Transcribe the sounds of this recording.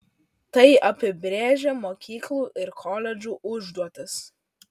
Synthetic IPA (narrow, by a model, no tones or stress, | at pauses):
t̪ɐɪɐpʲɪbʲɾʲeːʒʲeːmoːkʲʰiːklˠuːʔɪɾkʰɔːlʲɛd͡ʒʲuːʔʊʒd̪uɔt̪ɐs